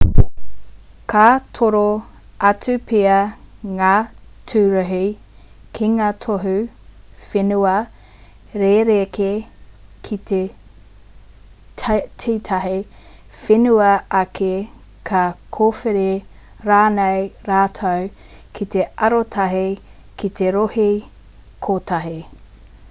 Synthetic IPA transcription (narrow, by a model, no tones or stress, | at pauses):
kʰatʰoɾo | ɐtʉpʰeɐŋaːtʰʉːɾɐɦi | kʰiŋaːt̪ʰoɦu | fenuɐ | ɾeɾekekʰit̪ʰe | tʰeːtʰɐɦe | fenuɐʔɐkʰe | kʰɐkʰoːfeɾe | ɾaːnejɾaːtʰɐw | kʰit̪eɐɾotʰɐɦe | kit̪eɾohi | kʰotʰɐɦe